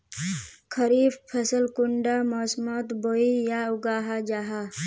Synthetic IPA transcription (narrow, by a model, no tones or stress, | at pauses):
kʰəɾiːbpʰəsəlkʊɳɖamɔsmɔt̪boijaʊɡaːɦad͡ʒaːɦa